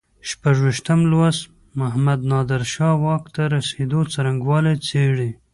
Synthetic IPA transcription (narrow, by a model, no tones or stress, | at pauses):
ʃpaʐwiʃt̪əmlwas | maɦamad̪nɑd̪ɪɾʃɑwɑkt̪aɾased̪ot͡saɾaŋɡwɑlet͡seɽi